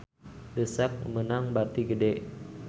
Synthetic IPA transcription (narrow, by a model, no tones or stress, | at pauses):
dəsɛp̚mənaŋbat̪iɡədeʔ